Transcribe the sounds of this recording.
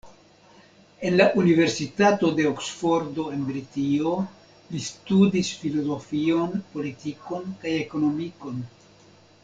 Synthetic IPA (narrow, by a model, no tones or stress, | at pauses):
e̞nlaʔunive̞ɾsitato̞de̞oksfo̞ɾdo̞e̞nbɾitio̞ | listudisfilo̞zo̞fio̞npo̞litiko̞nkajeko̞no̞miko̞n